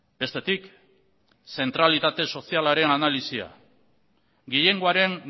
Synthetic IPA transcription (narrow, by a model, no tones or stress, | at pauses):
be̞st̪e̞t̪ik | se̞nt̪ɾalit̪at̪e̞so̞sialaɾe̞nanalisia̰ | ɡiʎe̞ŋɡoaɾe̞ŋ